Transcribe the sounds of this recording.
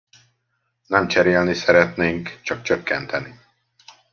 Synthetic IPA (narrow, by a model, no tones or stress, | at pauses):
nɛmt͡ʃɛɾeːlnisɛɾɛt̪neːŋkt͡ʃɒk̚t͡ʃøkːɛnt̪ʰɛni